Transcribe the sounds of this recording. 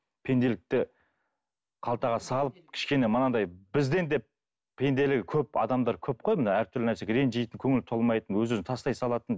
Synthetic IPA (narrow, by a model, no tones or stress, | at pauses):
pʰe̞nd̪e̞lɪk̚t̪ɪ | qʰɑlˠt̪ɑʁɑsɑlˠəp̚kʲʰɪ̥ʃkʲe̞ne̞mənɑd̪ɑjbɪzd̪e̞nd̪e̞p | pʰːe̞nd̪e̞lɪɡʲɪkʲʰɵpɑ̰d̪ɑmd̪ɑɾkʲʰɵp̚qʰo̞jmənɑæɾt̪ʰʏɾlɪnæɾsekʲɾe̞nʒijt̪ɪŋkʲʰɵŋɪlt̪ʰo̞lˠmɑjt̪ənwɵzɵznt̪ʰɑst̪ɑjsɑlˠɑt̪ən